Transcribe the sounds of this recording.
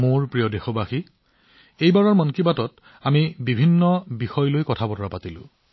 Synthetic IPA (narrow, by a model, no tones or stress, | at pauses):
moɹpɹijɔdexɔbaxi | ejbaɹɔɹmɔnkibatɔt | amibibʱinːɔbixɔjlojkɔtʰabɔtɔɹapatilʊ̰̃